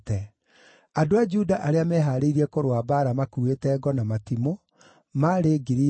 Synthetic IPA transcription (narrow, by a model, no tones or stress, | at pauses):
tɛ | adoad͡ʒudaʔaɾeamɛɦaɾeiɾiɛkoɾwabaːɾamakuetɛːɡɔnamatimo | maɾeɡiɾi